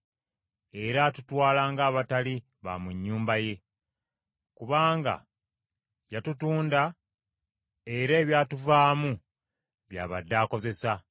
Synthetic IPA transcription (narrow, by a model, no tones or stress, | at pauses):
e̞ɾatutwaːlaːŋɡaːβatali | βa̰muɲːuːmbaje̞ | kuβaːŋɡa̰ | jatutuːnda | eɾe̞ːβjaːtuvaːmu | βja̰ːβadːaːko̞ze̞sa